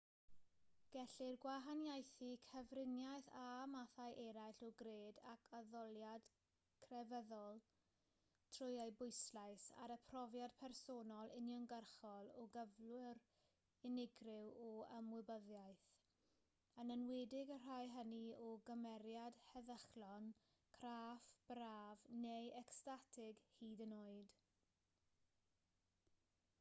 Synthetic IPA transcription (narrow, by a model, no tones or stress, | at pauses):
ɡ̥ɛɬɪrɡwaɦanjajθikʰəvrɪnjajθamaθajʔɛɾajɬɔɡreːdakʰaðɔlˠjad̥ | kʰrɛvɛðɔlˠ | tʰrʊjaɨbʊɨslaɨsa̰ɾəpʰrɔvjad̥pʰɛrsoːnɔlˠɪnjɔnɡərχɔlˠɔɡəvlʊɾ | ɪnɪɡrɪwɔəmwɪbəðjajθ | ənənwɛːdɪɡər̥ajɦəniɔɡəmɛɾjad̥hɛðəχlɔn | kʰraːfb̥raːvnejɛkstatʰɪɡhiːdənoːɨd̥